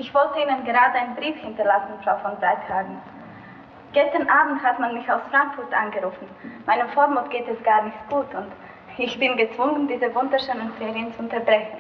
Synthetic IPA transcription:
ʔɪçv̥ɔltəiːnənɡəʁaːdəaɪnənbʁiːfhɪntɐlasn̩fʁ̥aʊfɔnzʁaɪtʰaːɡŋ̩ | ɡ̥ɛstɐnʔaːbm̩thatmanmɪçaʊsfʁ̥aŋkfʊtʔa̰nɡəʁuːfn̩maɪnəfoːɐmʊt̚ɡ̥eːtɛsɡ̥aːɐnɪçtɡ̥uːtʰʊnt | ɪçb̥ɪnɡət͡sv̥ʊŋəndiːzəvʊndɐʃøːnənfeːʁiənt͡suʊntɐbʁɛçn̩

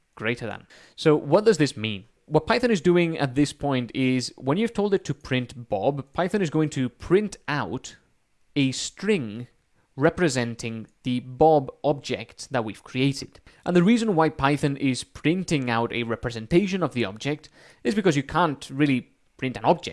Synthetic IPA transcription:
ɡ̥ɹeɪɾə˞ðə̰̃n | soʊwʌt̚d̥ʌzðɪsmĩn | wʌt̚pʰaɪθɨ̃nɨzdʉɪ̃ŋɨ̰t̪̚ðɪspʰɔ̃ɪ̃ntɪzwə̃njɨv̥tʰoʊlˠdɨtʰɨpʰɹ̥ɪ̃ntb̥ɑ̰bpʰaɪθɨ̃nɨzɡoʊɪ̃ŋtʰɨpʰɹ̥ɪ̃ntʰaʊɾ | ɨstɹ̥ɪ̃ŋ | ɹɛpɹɨzɛ̃ntʰɪ̃ŋðɨbɑbɑb̚d͡ʒɛ̰kt̪̚ðət̚wiv̥kʰɹ̥ieɪɾɨd̥ | ʔə̃nðɨɹizə̃nwaɪpʰaɪθɨ̃nʔɪz̥pʰɹ̥ɪ̃ntɪ̃ŋaʊɾɨ̰ɹɛpɹɨzɨ̃ntʰeɪʃɨ̃nʌvðiɑ̰b̚d͡ʒɛk̚t | ɨzbɨkʌzjɨkʰæ̃ntɹɪlˠi | pʰɹ̥ɪ̃ntɨ̃nɑb̚d͡ʒɛ̰

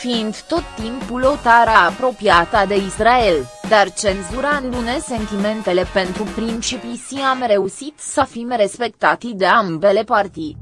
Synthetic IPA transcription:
fiːnd̪t̪o̞t̪ːimpulo̞t̪aɾaːpɾo̞piat̪ad̪e̞israe̞ld̪art͡ʃe̞nzuɾaɨnd̪une̞se̞nt̪ime̞nt̪e̞le̞pe̞nt̪ɾupɾint͡ʃipisiamɾe̞uʃit̪səfimɾe̞spe̞k̚t̪at̪id̪e̞ambe̞le̞part̪id̪

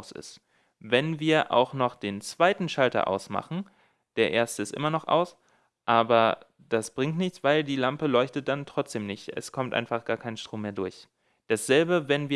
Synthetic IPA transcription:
sɪ̰st | vɛnviːɐʔa̰ʊxnɔχd̥eːnt͡sv̥aɪtn̩ʃaltɐ̰ʔa̰ʊsma̰χn̩ | d̥eːɐʔeːɐstəɪstʔɪ̰mɐnɔχʔa̰ʊs | ʔaːbɐ | d̥asb̥ʁɪŋtnɪçt͡sv̥aɪldiːlampəlɔʏçtət̚d̥antʁ̥ɔt͡sd̥eːmnɪçtʔɛ̰skʰɔmtʔa̰ɪnfaχɡ̥aːɐkʰaɪnʃtʁ̥oːmeːɐdʊɐç | d̥asz̥ɛlbəvɛnviː

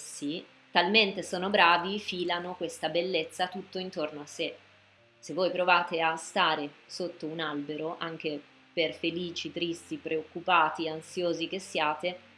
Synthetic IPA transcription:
si | t̪alment̪esoːnobɾaːvifiːlanokwest̪abelːet̪sːat̪ut̪ːoint̪ornoasːe | sevːoːjpɾovaːt̪east̪aːɾesot̪ːounalbeɾoʔaŋk̟e | perfeliːt͡ʃit̪ɾist̪ipɾeokːupaːt̪iansjoːzik̟esːjaːt̪e

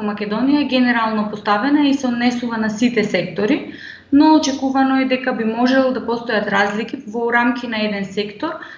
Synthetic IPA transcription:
makʲɛd̪ɔnijaɛɡʲɛnɛɾalˠnɔpɔst̪avɛnaisɛod̪nɛsuvanasit̪ɛsɛkt̪ɔɾi | nɔːt͡ʃɛkuvanɔɛd̪ɛkabimɔʒɛlˠɔd̪apɔst̪ɔjat̪ɾazlikivɔɾamkʰʲinaɛd̪ɛnsɛkt̪ɔɾ

